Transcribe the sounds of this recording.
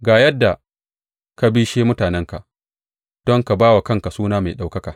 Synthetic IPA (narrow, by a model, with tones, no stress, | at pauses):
ɡaː˨jɐ˦dːa˨ | ka˦biː˦ʃeː˦mʊ˦taː˨nɛ˦ŋka˨ | d̥ɔ˦ŋka˨baː˦wa˨kɐ˦ŋka˨suː˦naː˦ma˨ɗa˨wkɐ˦ka˨